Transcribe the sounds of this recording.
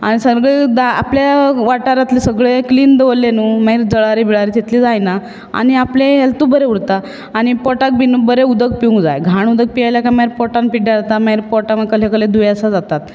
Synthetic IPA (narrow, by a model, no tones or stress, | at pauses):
aɽ̃isəɾɡɭed̪aa̰pljaʋaʈaɾãt̪lisəɡɭekliːnd̪əʋəlːenuːmaɦiɾd͡zəɭaɾibiɭaɾit̪et̪liːd͡zajna | a̰ɽ̃iapleɦelt̪ubəɾeuɽt̪aː | ɽ̃ipɔʈak̚binbəɾeud̪əɡ̚piũŋɡd͡za̰jɡʱaɳ̃ud̪ək̚pijajljakamaiɾpɔʈanpiɖjaɾat̪amaiɾpɔʈamakəlekəled̪ujəsad͡zat̪at̪̚